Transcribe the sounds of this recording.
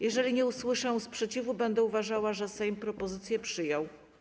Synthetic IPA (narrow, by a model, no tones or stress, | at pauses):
jɛʐɛlʲiɲɛuswɘʂɛ̃spʂɛt͡ɕivubɛnd̪ɛuvaʐawaʐɛsɛjmpɾɔpɔzɘt̪sʲjɛpʂɘjɔw